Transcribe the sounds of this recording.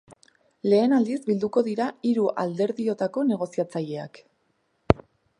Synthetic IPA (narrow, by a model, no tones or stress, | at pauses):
le̞ːnald̪isbild̪uko̞ðiɾaiɾuʔald̪e̞ɾðio̞t̪ako̞ne̞ɣ̞o̞siat͡saʎe̞ak